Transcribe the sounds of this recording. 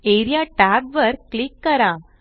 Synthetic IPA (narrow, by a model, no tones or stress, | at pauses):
eɾijaʈæbʋəɾkklikːɐɾã